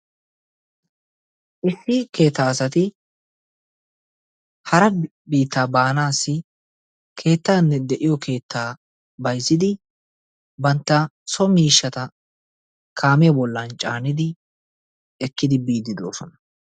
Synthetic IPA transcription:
ʔɪsːɪke̞ːt̪ːaːsɐt̪ɪ | hɐɾɐ | biːt̪ːaːbaːnaːsːɪ | kʰe̞ːt̪ːaːnːɛd̪ɛʔɪjɔkʰe̞ːt̪ːaː | bɐjsɪd̪ɪ | bɐnt̪ːɐsɔmiːʃːɐt̪ɐ | kʰaːmɛjɛbɔlːɐnt͡ʃʼaːnɪd̪ɪ | ɛkːɪd̪ɪbiːd̪ːɪd̪oːsɔnɐ

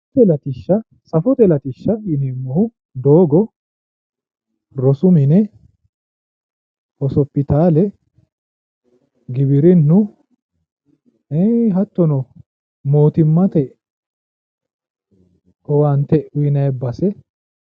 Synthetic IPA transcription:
t̪ɛlɐt̪ɪʃːɐ | sɐfɔt̪ɛlɐt̪ɪʃːɐɪnemːɔhʊ | d̪o̞ːɡɔ | ɾɔsʊmɪnɛ | hɔsɔpːɪt̪aːlɛ | ɡɪbɪɾɪnːʊ | ɛjɦɐt̪ːɔnɔ | mo̞ːt̪ɪmːɐt̪ɛ | ɔwɐnt̪ɛʊjɪnɐjɛbːɐsɛ

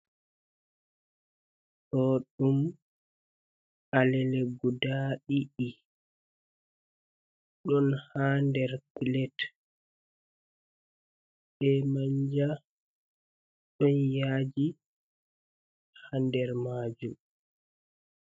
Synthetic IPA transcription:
ɗɔɗum | alɛlɛɡudaɗiʔi | ɗɔnhaːndɛɾkilɛt | ɓɛmaɲd͡ʒa | ɗɔnjaːd͡ʒi | handɛɾmaːd͡ʒum

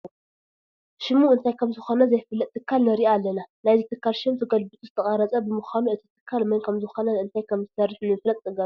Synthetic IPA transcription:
ʃɪmːuɨnt̪ʰajkʰɐmzɨxo̞nɐzɐjfɨlːɐt̪̚ʼːɨkʰːalnɐɾiʔaːlːɐnanajzɨt̪ʰɨkʰːalʃɨmt̪ʰɐɡɐlbɨt̪ʼuzɨt̪ʰɐχʼaɾɐt͡sʼɐbɨmɨxanuɨt̪ʰi̥t̪ʰɨ̥kʰːalmɐnkʰɐmzɨxo̞nɐɨnt̪ʰajkʰɐmzɨsɐɾːiħlːunfɨlɐt̪ʼːɨɡa

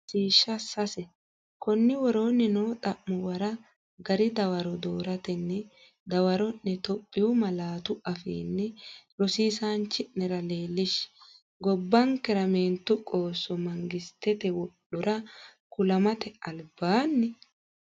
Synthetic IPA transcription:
siːʃːɐsɐsɛ | kɔnːɪwɔɾo̞ːnːɪnoːt̪ʼɐʔːʊwɐɾɐ | ɡɐɾɪd̪ɐwɐɾɔd̪oːɾɐt̪ɛnːɛ | d̪ɐwɐɾɔnːɛt̪ɔpʼːɪjʊmɐlaːt̪ʊʔɐfḭːnːɛɾɔsiːsaːnt͡ʃːɪʔnɛɾɐleːlːɪʃ | ɡɔbːɐŋkɛɾɐmeːnt̪ːʊkʼo̞ːsːɔmɐŋɡɪst̪ːɛt̪ɛwɔɗʊɾɐkʊlɐmɐt̪ɛɐlbaːnːɛ

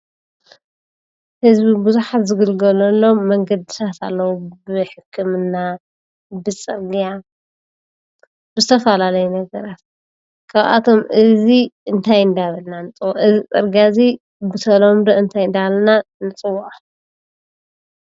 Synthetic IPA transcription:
hɨzbibuzuħat̪zɨɡɨlɡɐlɐlːo̞mːɐŋɡɐd̪ɨsʰat̪a̰lːɐwubɨħɨkʰːɨmɨnːa | bɨt͡sʼɨɾɡija | bɨzɨt̪ʰɐfalalɐjunɐɡɐɾat̪̚ | kʰaβʔa̰t̪ʰo̞mɨziɨnt̪ʰajɨnd̪aβɐlnant͡sʼɨwaʔɨzit͡sʼɐ̰ɾɡijazi | bɨt̪ʰɐlomd̪oʔɨnt̪ʰajnd̪alɐnanɨt͡sʼɨwːaħ

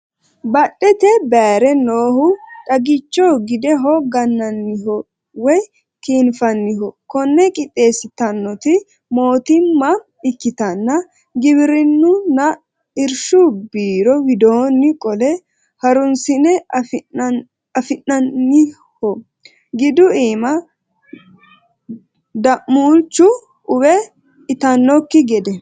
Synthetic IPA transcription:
bɐɗːɛt̪ɛbeːɾɛnoːhʊtʼɐɡɪt͡ʃːɔɡɪd̪ɛɦɔɡɐnːɐnːɪɦɔ | wɔj | kiːnfɐnːɪhɔkɔnːɛkʼɪt̪ʼːe̞ːsɪt̪ɐnːɔt̪ɪ | mo̞ːt̪ɪmːɐ | ɪkːɪt̪ɐnːɐ | ɡɪbɪɾɪnːʊnɐ | ɪɾʃubiːɾɔwɪd̪o̞ːnːɪkʼɔlɛ | hɐɾʊnsɪnɛ | ɐfɪnɐnːɪ | hɔ | ɡɪd̪ʊiːmɐ | d̪ɐʔmːuːlt͡ʃːʊ | ʔʊwɛ | ɪt̪ɐnːɔkːɪɡɛd̪ɛ

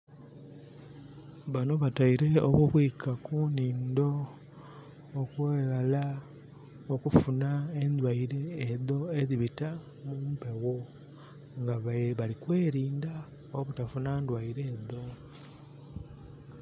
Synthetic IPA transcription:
βano̞βataiɾe̞oβuβwiːkʰakuniːndo̞ | kweːɣala | okufunaend̪waiɾe̞ːðo̞eðiβita | mumpe̞wo̞ | ŋɡaββalikwe̞ːɾiːnda | oβutafunaːndwaiɾe̞ːðo̞

